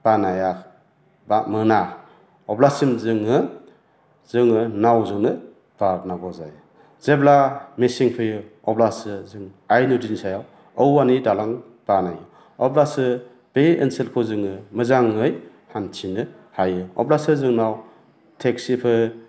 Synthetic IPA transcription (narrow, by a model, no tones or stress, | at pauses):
b̥anajak | bamɯna | ɔblasimzɯŋɯ | z̥ɯŋɯnawzɯŋɯ | b̥abnabɔza̰j | z̥eblamesiŋpʰɯjɯɔblasɯzɯŋajnudinsajaw | əwanidalaŋ | b̥anajɯ | ɔblasɯ | b̥eenselkʰozɯŋɯmɯzaŋɯj | hantʰinɯ | hajɯɔ̰blasɯzɯŋnaw | tʰeksipʰɯ